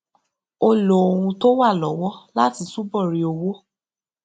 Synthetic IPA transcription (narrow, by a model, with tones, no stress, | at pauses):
o˧lo˨o˨ɾũ˧to˦wa˦˨lɔ˨˦wɔ˦la˦ti˨˧su˦bɔ˦˨ɾi˨˦o˧wo˦